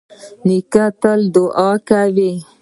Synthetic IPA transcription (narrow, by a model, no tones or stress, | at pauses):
nikat̪əld̪ʊʔɑkawi